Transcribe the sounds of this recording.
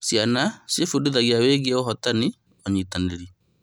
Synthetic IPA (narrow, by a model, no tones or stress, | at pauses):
sianasefuduðaɣiaweɡiɛɔɦɔtani | ɔɲitaneɾi